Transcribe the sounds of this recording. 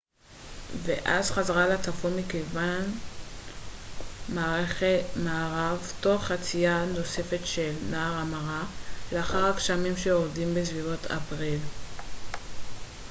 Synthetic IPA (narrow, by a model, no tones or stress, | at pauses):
vḛʔazχazaʁalat͡safomikejvan | maːʁeχetmaːʁavto̞χat͡sijano̞se̞fe̞tʃe̞lnaːʁamaʁaleaχaʁakʃamimʃeoʁdimbesvivotʰa̰pʁil